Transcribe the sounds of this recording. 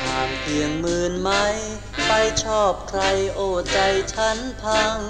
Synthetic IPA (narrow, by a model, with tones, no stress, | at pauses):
tʰaː˧˩mpʰi˨˧˩əŋmɯː˧nma˦˥j | pa˧jt͡ɕʰɔː˥˩p̚kʰɾa˧jʔoː˧˩t͡ɕa˧jt͡ɕʰa˦˥npʰa˧ŋ